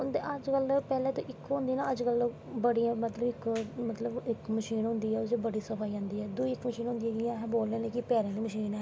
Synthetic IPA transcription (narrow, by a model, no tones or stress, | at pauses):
ʊnd̪eəd͡ʒkəlpɛːlɛ̃ːt̪õ̰ːʔɪkɦʊ̃nd̪iːnãːəd͡ʒkəl | bəɽijãːmət̪ləbɪkmət̪ləbɪkməʃiːnɦʊ̃nd̪iːɦɛːʊsebəɽiːsəpʰaːiːãːnd̪iːɛːd̪ʊiːɪkməʃiːnɦʊ̃nd̪iːɛːɡɪãːɦboːlẽːneːkɪpɛːɾãːniːməʃiːnɛː